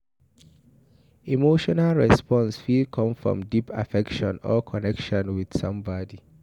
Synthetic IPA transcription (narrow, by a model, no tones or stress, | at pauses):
imoʃɔnalɹɛspɔ̃nsfikʰɔ̃mfɹɔ̰̃mdipʰa̰fɛkʃɔ̃nɔkʰɔnɛkʃɔ̃nwið̥sʌ̃mbɔdi